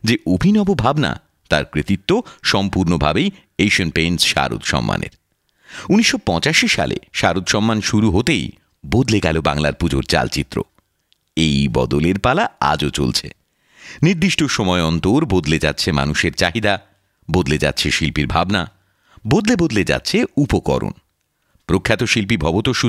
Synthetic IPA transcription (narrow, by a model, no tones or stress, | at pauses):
d͡ʑeʔobʱinɔbobʱabna̰ | t̪aɾkɾit̪it̪ːoʃɔmpuɾnobʱabej | ejʃonpensʃa̰ɾṵt̪ʃɔ̰mːa̰nḛɾ | uniʃːopɔt͡ɕaʃiʃa̰lʔḛʃaɾot̪ʃɔmːanʃuɾuɦot̪ej | bod̪leɡɛloba̰ŋla̰ɾpud͡ʑoɾt͡ɕa̰lt͡ɕit̪ːɾo̰ | ejbɔ̰d̪oleɾpalaa̰d͡ʑot͡ɕo̰lt͡ɕʰḛ | niɾd̪iʃʈoʃɔmɔeɔnt̪oɾbod̪led͡ʑa̰tːɕʰema̰nuʃeɾt͡ɕaɦid̪a | bod̪led͡ʑa̰tːɕʰeʃilpiɾbʱabna | bod̪lebod̪led͡ʑa̰tːɕʰeupokɔ̰ɾo̰n | pɾokʰːat̪oʃilp̬ibʱɔbot̪oʃu